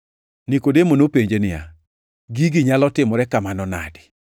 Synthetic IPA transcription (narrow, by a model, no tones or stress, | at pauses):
nikodemonopeɲd͡ʒenɪa̰ | ɡiɡiɲalɔtɪmɔɾɛkamanɔna̰dɪ̥